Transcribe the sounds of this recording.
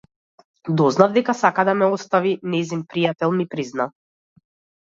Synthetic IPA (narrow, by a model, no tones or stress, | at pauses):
d̪ɔznavd̪ɛkasakad̪amɛɔst̪avinɛzinpɾijat̪ɛlˠmipɾizna